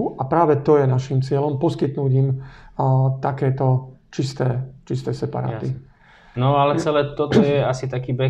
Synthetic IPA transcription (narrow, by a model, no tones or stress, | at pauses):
uʔapɾaːʋɛt̪ɔjɛnaʃimt͡sɪɛlɔmpɔskit̪nuːɟim | t̪akɛːt̪ɔt͡ʃist̪ɛːt͡ʃist̪ɛːsɛpa̰ɾa̰ːt̪i | nɔalɛt͡sɛlɛːt̪ɔt̪ɔjɛasit̪akiːbɛ